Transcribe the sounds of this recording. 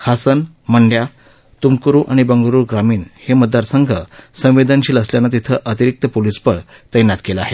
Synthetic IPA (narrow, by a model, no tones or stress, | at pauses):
hʰasən | məɳɖja | t̪umkɾuːʔaɽ̃ibəŋɡɾuːɾɡɾamiːɳheməd̪ːaɾsəŋɡʱəsə̃w̃ʋed̪ənt͡ɕiːləsljanːat̪it̪ʰəʔət̪iɾik̚t̪əpolispəɽ | t̪əjnat̪keləaɦe